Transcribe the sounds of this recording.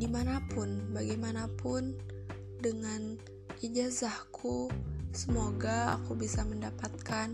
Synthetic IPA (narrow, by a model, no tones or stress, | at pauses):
dimanapʊnbaɡajmanapʊn | dəŋan | id͡ʒazahkʰusəmoɡaa̰kubisaməndapat̪̚kan